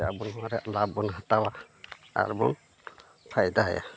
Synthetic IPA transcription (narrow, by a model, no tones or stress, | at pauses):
a̰bɔnɦɔwaɾɛʔlabɔnɦat̪awa | a̰ɾmɔ̰n | pʰajd̪aɦɛja̰